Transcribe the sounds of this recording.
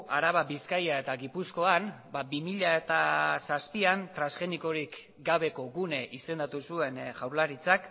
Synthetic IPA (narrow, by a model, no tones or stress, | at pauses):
aɾaβaβiskajae̞t̪aɣipusko̞an | babimiʎae̞t̪asaspiant̪ɾansxe̞niko̞ɾik | ɡaβe̞ko̞ɣune̞ʔise̞nd̪at̪usue̞nʝawɾlaɾit͡sak